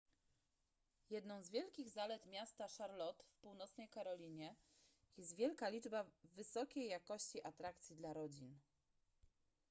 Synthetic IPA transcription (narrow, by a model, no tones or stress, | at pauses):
jɛd̪nɔ̃w̃zvʲjɛlkʲiɣzalɛt̪mʲjast̪aʂaɾlɔt̪fpuwnɔt̪snɛjkaɾɔlʲiɲɛ | jɛst̪vʲjɛlkalʲid͡ʐbavɘsɔkʲejːakɔɕt͡ɕiʔat̪ɾakt̪sʲjid̪laɾɔd͡ʑin